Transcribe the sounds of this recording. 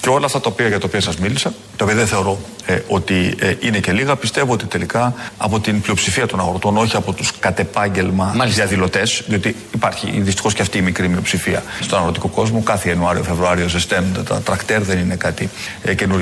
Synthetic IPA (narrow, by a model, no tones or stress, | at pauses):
ceolɐɐft̪ɐt̪ɐopiɐʝɐt̪ɐopiɐsɐzmilisɐ | t̪ɐopiɐðeθe̞o̞ɾo̞ | o̞t̪iine̞ce̞liɣɐpist̪e̞voo̞t̪it̪e̞likɐɐpo̞t̪inplio̞psifiɐt̪o̞nɐɣɾot̪o̞no̞çiɐpo̞t̪uskɐt̪e̞pɐɲɟe̞lmɐiɐðilo̞t̪e̞sðio̞t̪iːpɐɾçḭðist̪i̥xo̞sceɐft̪iːmikɾimio̞psifiɐ̰st̪o̞nɐɣɾo̞t̪ikoko̞zmokɐθeːnuɐɾio̞fe̞vɾuɐɾio̞sest̪enond̪et̪ɐ̰t̪ɾɐkt̪e̞ɾðe̞nine̞kɐt̪i | ce̞nuɾ